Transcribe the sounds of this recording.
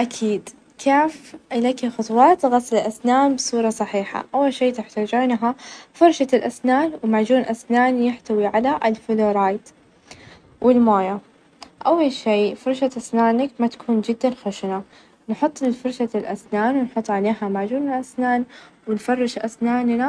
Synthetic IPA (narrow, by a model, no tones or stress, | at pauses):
ʔakʰiːd̪ | kʰaːfʔɪlakixʊt̪ˤwɑːt̪ɣɑsˤlɪlʔasnaːnbɨsˤuːɾˤɑsˤɑħiːħa̰ʔawːalʃiːt̪ɪħt̪aːd͡ʒuːnɦafɑɾˤʃalʔasnaːnwmaʕd͡ʒuːnʔasnaːnjɪħt̪awiʕalaʔɪlfʊloːɾˤɑːjt̪ | wʔɪlmaːja | ʔawːalʃiːfɑɾˤʃat̪ʔasnaːnakmat̪ḁkʰuːnd͡ʒɪd̪ːanxaʃna | nħʊt̪ˤːlfɑɾˤʃalʔasnaːnwɪnħʊt̪ˤːʕaleːɦamaʕd͡ʒuːnɪlʔasnaːnwɪnfɑrˤːɪʃʔasnaːnna